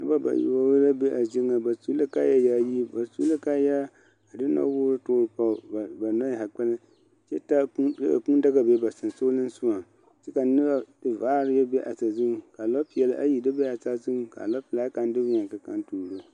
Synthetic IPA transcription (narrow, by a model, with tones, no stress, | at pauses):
nɨ˦ba˦ba̰˨j̰wa˦wla˦be˦ʔa˨d͡ʒɪ˦ŋa˨ba˨su˦la˦ka˦ja˦ja˦˨ji˦ba˨su˦la˦ka˦ja˦ | a˨dɨ˦na̰˦wʊ˦ɾɨ˦tʊː˦ɾɨ˨pa˦˨ba˨na˦jha˨k͡pɛ˦lɨ˦ | t͡ʃɛ˦ta˦u˦dka̰˨ku˦n˦da˦ɡa˨be˦˨ba˨sɨ˨n˨so˦lɨ˦n˦su˦ma˨ | t͡ʃɛ˦ka˨nɨ˦ba˦tɨ˦vaː˦ɾɪ˦ja˦be˦ʔa˨ta˨zu˦˨ka˨lɔ˦pjɛ˨la˦ʔa̰˦ji˨dɨ˦be˦a˨ta˦zu˦ka̰˨lɔ˦pla˦ka˦n˦dɨ˦wɲa˨ŋka˨ka̰˦ntuː˨ɾɨ˦